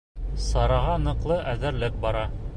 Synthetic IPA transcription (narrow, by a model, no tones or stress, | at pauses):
sɑɾɑʁɑnɤ̆qlˠɤʔæðɘ̆ɾlɘk̚bɑɾɑ